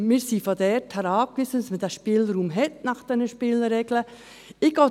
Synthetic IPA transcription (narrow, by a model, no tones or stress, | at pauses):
mɪːɾsifod̪ɛɾthæɾɑːkʋisənɑsmədæːʃpiːlɾuːmɦɛt̚nɑχd̥ɛnəʃpɪːləɾɛɡlə | ɪɡ̥oː